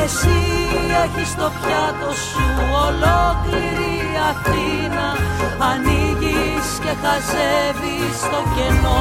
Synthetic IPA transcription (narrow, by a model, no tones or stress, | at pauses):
esie̞çist̪o̞pçɐt̪o̞suolokliɾi | ɐθinɐɐniʝisce̞xɐzevist̪o̞ɲɟe̞no